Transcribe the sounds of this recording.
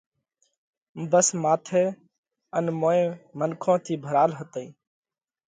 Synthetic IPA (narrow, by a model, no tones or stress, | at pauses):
bəsmaːt̪ʰeː | ənmoːẽːmənkʰõːt̪ʰiːbʱəɾaːlɦət̪əiː